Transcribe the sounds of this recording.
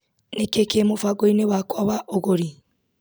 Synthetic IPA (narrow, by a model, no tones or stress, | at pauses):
nekekemofaɡoinewakwɔβaʔoɣoɾi